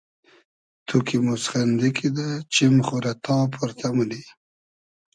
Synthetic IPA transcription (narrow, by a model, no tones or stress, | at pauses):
t̪ʰukimʊsxand̪ikʰid̪at͡ʃɪmχuɾat̪ɑːpʰʊɾt̪ʰamuli